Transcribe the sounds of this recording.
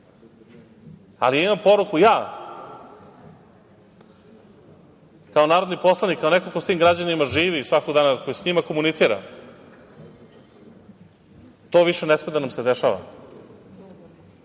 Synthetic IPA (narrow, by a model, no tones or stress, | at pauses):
a̰liaimampo̞ɾukujaː | kao̞naːɾod̪nipo̞slˠanikːaonekokost̪iːmɡɾad͡ʑanimaʒiːʋisʋako̞ɡd̪aːnako̞jisɲimakomunit̪siːɾa̰ | t̪o̞ːʋiʃenesmed̪anamsed̪eʃaʋa̰